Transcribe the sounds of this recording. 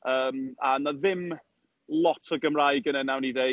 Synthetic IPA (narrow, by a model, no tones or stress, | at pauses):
əːmanaðɪm | lˠɔtʰɔɡəmrajɡənənawnide